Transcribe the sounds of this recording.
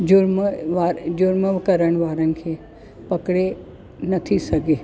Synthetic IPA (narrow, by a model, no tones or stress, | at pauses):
d͡ʑʊɾmʋaːɾd͡ʑʊɾməʋkɐɾəɽ̃ʋaːɾənɪ̆kʰeː | pɐkɽe | nɐt̪ʰisɐɡʱeː